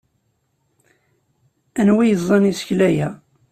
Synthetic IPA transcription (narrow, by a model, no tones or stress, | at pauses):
ænwijəzˤːɑnisçlæjæ